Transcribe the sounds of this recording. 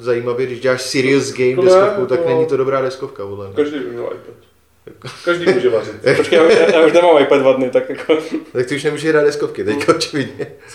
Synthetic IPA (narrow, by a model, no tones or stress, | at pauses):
zaiːmavjɛɡdɪʒɟɛlaːʃsɪɾɪozɡɛjmdɛskofkut̪aknɛɲit̪odo̞bɾaːdɛskofkapodlɛmɲɛkaʒdijbɪmɲɛlʔa̰jpɛt̪ | akkaʒdiːmuʒɛvazɪt̪aɾot͡ʃkɛjjaːjaːuʃnɛmaːmajpɛddvadnɪt̪akjakʰot̪ak̚t̪ɪuʃnɛmuːʒɛɾad̪̚ɛskofkɪt̪ɛckaot͡ʃɪvɪdɲɛ